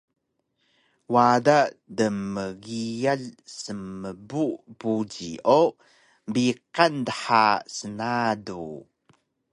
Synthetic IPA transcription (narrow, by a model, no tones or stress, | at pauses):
wadaʔdəmːəɡijaɮsəmːəbubuɟiʔo | mbiqandəħasənadu